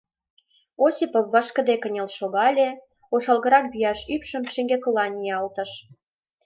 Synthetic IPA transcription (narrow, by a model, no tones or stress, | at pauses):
osipofːɑʃkə̆d̪ekə̆nʲelʃoɣɑlʲe | oʃɑlɣə̆ɾɑk̚byjɑʃypʃə̆mʃĕŋɡekəlɑnʲiɑlt̪ə̆ʃ